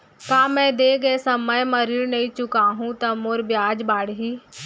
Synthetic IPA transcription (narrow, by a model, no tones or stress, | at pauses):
kaːmɛ̃ːd̪eːɡəesəməjməɾiɽnəĩːt͡ʃʊkaːɦũt̪amoɾbjaːd͡ʒbaːɽɦiː